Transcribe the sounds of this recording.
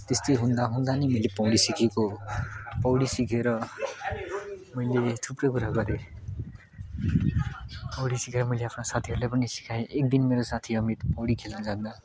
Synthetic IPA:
t̪est̪ʌjɦũnd̪aɦund̪animʌilepʌwɽisikʰeko | pʌwɽisikʰeɾʌ | mʌilet̪ʰuprʌkuɾaɡʌɾe | pʌwɽisikʰeɾʌmʌjleapʰnasat̪ʰiɦʌɾulajpʌnisi̥kʰajeʔek̚d̪inmeɾosat̪ʰiʌmit̪pʌwɽikʰelad͡zand̪a

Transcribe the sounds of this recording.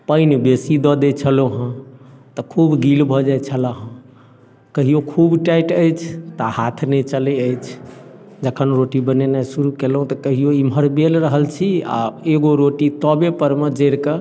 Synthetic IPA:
pəjnbesid̪ɔd̪et͡ʃʰəloɦə̃t̪ɔkʰubɡilbʱɔd͡ʒat͡ʃʰəlaɦə̃ | kəɦijokʰubʈajʈəjt͡ʃʰt̪ahat̪ʰnɛt͡ʃəlɛəjt͡ʃʰd͡ʒəkʰənɾoʈibənenɛsuɾukelɦũt̪ɔkəɦijoimɦəɾbelɾəɦəlt͡ʃʰia̰eɡoɾoʈit̪ɔbepəɾmed͡ʒeɾkə

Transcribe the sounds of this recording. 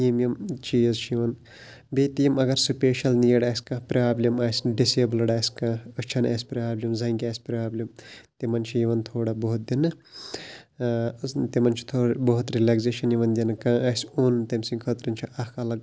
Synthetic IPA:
imjɐmt͡ʃijɐzt͡ʃʰijiʋɐn | beːt̪ijimɐɡɐɾsupʲeːʃɐlnijeɽaːsʲkɐ̃pʲɾaːblʲimaːsʲɖiseːblɐɽaːsʲkãət͡ʃʰɐna̰ːsʲpɾaːblʲimzɐŋɡʲaːsʲpʲɾaːblʲɐmt̪imɐnt͡ʃʰijiʋɐnt̪ʰoːɽɐbɐɦut̪̚d̪inːɨ | t̪imɐnt͡ʃʰi̥t̪ʰoːɽbɐɦut̪ɾilaːkzeːʃɐnjiʋɐnd̪ʲinɨkãːaːsʲuːnt̪ɐmsĩŋkʰɐt̪ɾɐnʲt͡ʃʰiʔɐkʰɐlɐɡ

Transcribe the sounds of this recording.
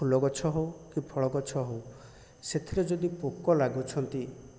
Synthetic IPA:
ulɔɡɔt͡ʃʰɔɦowkipʰɔɭɔɡɔt͡ʃʰɔɦow | set̪ʰiɾed͡ʒɔd̪ipokɔlaɡut͡ʃʰɔnt̪i

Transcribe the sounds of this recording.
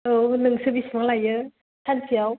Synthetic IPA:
ɯnɯŋsɯbismaŋlajɯ | sʰanpʰiaw

